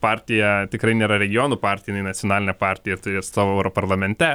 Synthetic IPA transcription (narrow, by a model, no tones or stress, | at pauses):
pɑːɾʲt̪ʲɪjɛt̪ʲɪkɾɐɪnʲeːɾɐɾʲɛɡʲɪjoːnupɑːɾʲt̪ʲɪjɪnɐɪnɐtt͡ssʲjoɔnɑːlʲɪnʲɛpɑːɾʲt̪ʲɪjɛt̪ʊɾʲeːssɑːʋoːɛʊɾopɐɾlˠɐmʲɛnʲt̪ʲɛ